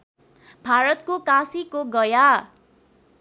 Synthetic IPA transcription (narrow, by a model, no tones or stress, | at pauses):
bʱaɾʌt̪kokãsikoɡʌja